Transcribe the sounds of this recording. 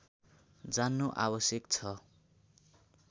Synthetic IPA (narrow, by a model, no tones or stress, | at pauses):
d͡zanːoʔa̰bʌsjʌkt͡sʰʌ